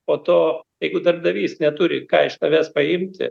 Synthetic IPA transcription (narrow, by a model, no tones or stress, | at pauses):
poːt̪oːjɛɪɡʊd̪ɐrb̚d̪ɐʋʲiːsnʲɛt̪ʊɾʲɪ̰kɑ̰ːɪʃt̪ɐʋʲæːspɐɪmʲt̪ʲɪ̰